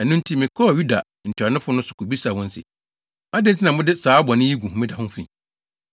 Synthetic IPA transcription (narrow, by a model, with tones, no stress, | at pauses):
ɛ˨nũ˦n˦tʰi˦mɪ̃˨kʰɔ˦˨ju˦da˨ | n̩˨tʰʊ˨a˨nɪ̃˦fʊ˨˦nʊ̃˦sʊ̥˨kʰo˨bi˦sa˨hʊ̃˦n̩˦sɪ̰˨ | a˦dɪ̃˦n˦tʰi˦nã˨mʊ̃˦dɪ˦saː˨˦bɔ˨nɪ̃˦ji˦ɡũ˨hmɪ̃˦da˨hʊ̃˦m˦fḭ̃˨